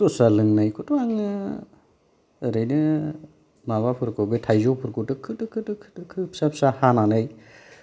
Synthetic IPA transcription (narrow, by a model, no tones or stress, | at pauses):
tɔsalɯŋnajkʰutʰaŋɯ | ɾɯjnɯ | maβapʰɯɾkɯbɯtʰajzopʰuɾkɯtɯkʰɯtɯkʰɯtɯkʰɯ̥tɯkʰɯpsapʰsahananaj